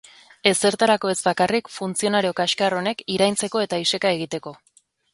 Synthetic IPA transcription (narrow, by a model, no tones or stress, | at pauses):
e̞se̞ɾt̪aɾako̞e̞zbakarikfunt͡sio̞naɾio̞kaʃkaro̞ne̞kiɾajnt͡se̞ko̞e̞t̪aise̞kae̞ɣ̞it̪e̞ko̞